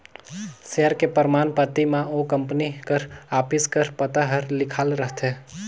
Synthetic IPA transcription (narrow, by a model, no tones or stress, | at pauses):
seːəɾkepəɾmaːnpət̪ːimãokə̃mpnikəɾaːpɪskəɾpət̪aɦəɾlɪkʰaːlɾəɦt̪ɛː